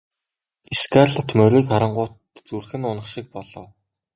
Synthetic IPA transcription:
eskarɮə̆t̪ʰmœɾʲiːkχaɾə̆ɴɢʊːt̪t͡surxɘ̆nʊnə̆χʃik̚pɔɮɞ̰̆ː

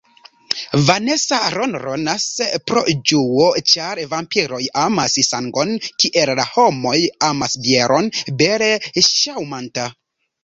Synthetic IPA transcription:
vane̞saɾonɾo̞naspɾo̞̰d͡ʒuot͡ʃaɾvampiɾo̞jamasisaŋɡo̞nkiʔellaho̞mo̞jamasbjeɾʔo̞nbeɾeʃawmanta

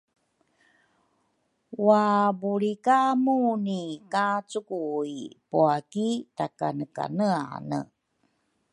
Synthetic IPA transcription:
wabuɭikamunikat͡sukuipuakitakanəka̰nəanə̰

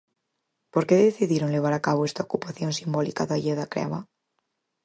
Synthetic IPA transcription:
po̞ɾkeðeθiðjeɾo̞nle̞β̞aɾakaβoe̞st̪aokupaθjo̞nsimbo̞likaðaʝeðakɾḛa̰βa

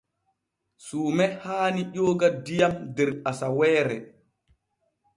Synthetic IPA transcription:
suːmɛhaːniʄoːɡadijamdɛɾasawɛːɾɛ

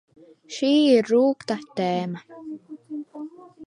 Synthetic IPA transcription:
ʃiːruːkt̪aht̪ɛːma

